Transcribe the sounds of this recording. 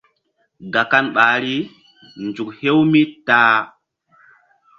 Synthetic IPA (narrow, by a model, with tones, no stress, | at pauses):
ɡa˨ka˦nɓaː˨ɾi˦ | nd͡ʒu˨k̚he˦wmi˦taː˦